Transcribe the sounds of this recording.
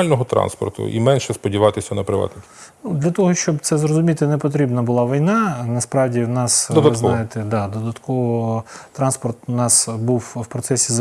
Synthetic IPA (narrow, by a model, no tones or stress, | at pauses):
lʲnɔɦɔt̪ɾɑ̰nspɔ̰rt̪ʊ̰ʔḭmɛnʃɛspɔdʲiʋɑt̪ɪsʲɐnɐpɾɪʋɑ̰t̪nɪkʲnud̪lʲɐt̪ɔɦɔʃt͡ʃɔbt̪sɛzrɔzʊmʲit̪ɪnɛpɔt̪ɾʲibnɐbʊlˠɑʋijnɑnɐspɾɑwdʲiwnɑsd̪ɔd̪ɐznɑjet̪ɛd̪ɑd̪ɔd̪ɐt̪kɔʋɔt̪ɾɑnspɔrt̪nɑsbuwwpɾɔt̪sɛsʲiz